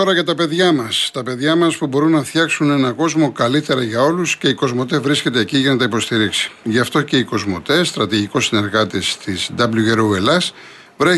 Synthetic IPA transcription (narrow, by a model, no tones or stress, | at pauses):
oɾɐʝɐt̪ɐpe̞ðʝɐmɐst̪ɐpe̞ðʝɐmɐspubo̞ɾunːɐθçɐksune̞nɐko̞zmo̞kɐlit̪e̞ɾɐʝɐo̞lusce̞iko̞zmo̞t̪̬e̞vɾisce̞t̪e̞ːciʝɐnɐt̪ɐipo̞st̪iɾiksi̥ʝɐft̪o̞ce̞iko̞zmo̞̰t̪e̞st̪ɾɐt̪iʝiko̞sine̞ɾɣɐt̪ist̪izd̪ɐbluʝe̞ɾoelɐs | vɾe